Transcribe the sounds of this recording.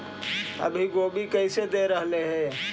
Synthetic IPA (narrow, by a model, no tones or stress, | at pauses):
ə̰bʱiɡoːbʱikəɪsed̪eɾəɦleɦɛ̃ː